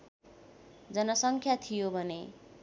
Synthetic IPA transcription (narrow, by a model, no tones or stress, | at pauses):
d͡zʌnʌsʌŋkʰjat̪ʰijobʱʌne